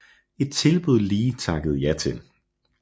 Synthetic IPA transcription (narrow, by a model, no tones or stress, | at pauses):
e̝d̥̚t͡sʰe̝lb̥uð̞̰ˠliːt͡sʰɑ̈ɡ̥əð̞̩ˠjɑt͡sʰen